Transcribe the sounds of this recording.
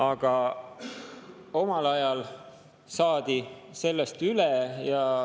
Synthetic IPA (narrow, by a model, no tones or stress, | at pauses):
ɑɡ̥ɑ | o̞mɑlɑjɑl | sɑːd̪̥i | se̞lːest̪ylejɑ